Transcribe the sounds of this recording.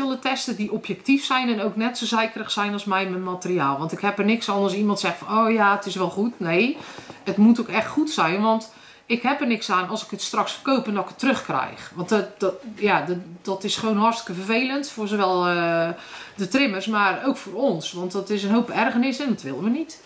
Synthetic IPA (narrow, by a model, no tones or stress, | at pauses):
ɪlˠətɛstədiʔɔpjɛk̚tifsɛjnɛnowknɛtsozɛjkərəxsɛjnɔlˠsmɛjmənmatəriaːlˠʋɑntɪkhɛpərnɪksɔnɑsimɑntsɛxtfɔnoːjaətɪsʋɛlˠχutneːətmutokɛxtχutsɛjnʋɑnt | ɪkhɛpərnɪksaːnɔlˠsɪ̥kətstrɑksfərkoːpəndɔtɪkə̥tːrøxkrɛ̰jxʋɑntdjaddɔtɪsχəʋoːnɦɔrstɪ̥kəfərvejləntfoːrzoʋɛlˠə | dətrɪmərsmaːrowkfoːrɔnsʋɑntdɔtɪs̬ənɦowpɛrχərnɪsɛndɔtʋɪlˠənʋənit